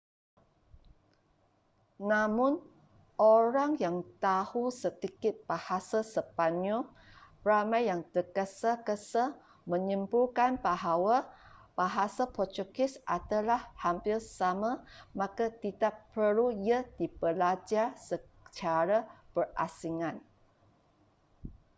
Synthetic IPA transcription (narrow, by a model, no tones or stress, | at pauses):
namʊ̃n | ʔoɾaŋjaŋt̪ahusəd̪ikɪt̪̚b̥ahasasəpaɲɔ | ramajjaŋt̪əkəsakəsə | mə̃ɲəmbukanbaɦawab̥aɦasapɔt͡ʃukɪsʔat̪alahhampɪlsamãmakat̪id̪aʔpəlujədibəlad͡ʒarsə | t͡ʃaɾab̥ərʔa̰siŋãn